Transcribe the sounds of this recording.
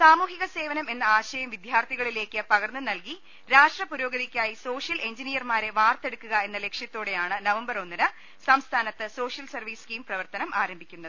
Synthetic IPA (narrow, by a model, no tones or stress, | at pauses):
saːmuːɦiɣɐse̞ːʋɐnɐme̞nːɐaːɕɐjɐmʋid̪ʱjaːrt̪ʰiɣɐɭile̞ːkːɨpɐɣɐrnɨnɐlki | ɾaːʂʈrɐpuɾo̞ːɡɐðikʲːaːjiso̞ːʂjɐle̞ɲd͡ʑinijɐrmaːɾe̞ʋaːrt̪e̞ɽukːuɣɐe̞nːɐle̞kʂjɐt̪ːo̞ːɽe̞jaːɳɨnɐʋɐmbɐro̞nːinɨ | sɐmst̪ʰaːnɐt̪ːɨso̞ːɕjɐlsɐrʋiːskiːmprɐʋɐrt̪ɐnɐmʔaːɾɐmbʱikʲːunːɐðɨ